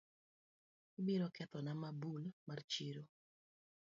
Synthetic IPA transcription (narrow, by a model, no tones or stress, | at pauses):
ibiɾɔkɛt̪ɔnamabulmart͡ʃiɾo